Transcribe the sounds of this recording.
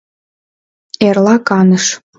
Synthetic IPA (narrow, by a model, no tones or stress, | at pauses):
erlɑkɑnəʃ